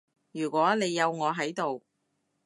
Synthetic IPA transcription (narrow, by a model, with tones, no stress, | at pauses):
jyː˨˩kʷɔː˨˥ne˨˧jːɐ˨˧wŋɔː˨˧ɦɐ˨˥jt̪o˨w